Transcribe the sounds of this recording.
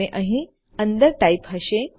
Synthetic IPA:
eʔəɦĩ | ənd̪əɾʈajpɦaɕek

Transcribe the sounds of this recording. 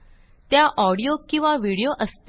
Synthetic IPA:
t̪jaʔɔɽijokĩw̃ʋaʋiɽijoʔəst̪

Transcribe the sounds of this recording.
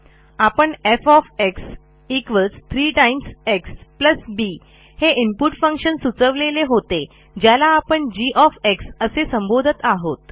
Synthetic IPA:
apəɳefɔfeks | ikʋəlst̪ʰɾiʈaimsekspləsbi | heʔimpuʈfə̃ŋkʂənsut͡səʋleleɦot̪e | d͡ʑjalaːpəɳd͡ʑiʔɔfeksəsesəmbod̪ʱət̪aɦot̪

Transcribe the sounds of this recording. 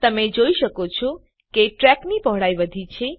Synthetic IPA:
t̪əmed͡ʒoiʃəkot͡ʃʰɔ | keʈɾɛknipɔɦɽajbəd̪ʱit͡ʃʰe

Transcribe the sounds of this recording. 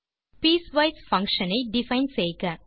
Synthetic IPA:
piːsʋɐɪsfɐ̃ŋkʂɐnɐɪɖɪfɐɪnseːkɐ

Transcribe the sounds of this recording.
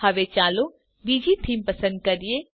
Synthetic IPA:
hɐʋet͡ʃaːlo | biːd͡ʒit̪ʰiːmpɐsə̃nd̪̚kɐɾie

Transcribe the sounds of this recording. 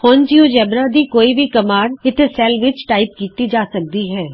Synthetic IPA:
hoːnd͡ʒioːd͡ʒɛːbɾaːd̪iːkoːiːbiːkəmaːɽɪt̪ʰesɛːlʋɪt͡ʃʈaːɪp̚kiːt̪iːd͡ʒaːsək̚d̪iːɦɛː

